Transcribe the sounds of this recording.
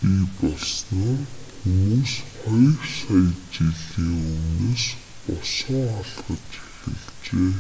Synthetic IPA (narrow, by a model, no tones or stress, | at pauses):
piːpɔɮsnɔːxumuːsχɔjɞrsaj̆tt͡ɕiɮiːŋɵwneːs | pɔsɞŋɔɮχə̆t̪t͡ɕʰæ̥xʲɘ̰̆ɮ | t͡ɕeː